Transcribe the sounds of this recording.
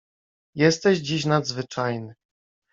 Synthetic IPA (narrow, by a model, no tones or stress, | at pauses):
jɛst̪ɛʑd͡ʑiɕnad̪zvɘt͡ʂajnɘ